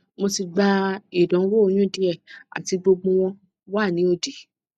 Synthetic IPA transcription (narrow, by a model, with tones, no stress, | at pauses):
mo˧si˧ɡ͡ba˧i˨dɔ̃˨˦wo˦o˨˧˦j̃ũ˦˨di˦ɛ˦˨a̰˨ti˧ɡ͡bo˧ɡ͡bũ˧w̃ɔ̃˧ | waː˦˨nĩ˨˦o˧di˨˦